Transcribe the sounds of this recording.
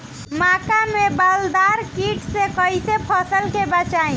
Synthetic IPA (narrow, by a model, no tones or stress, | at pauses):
makamebald̪aɾkiʈsekəit̪epʰəsəlkebət͡ʃaĩ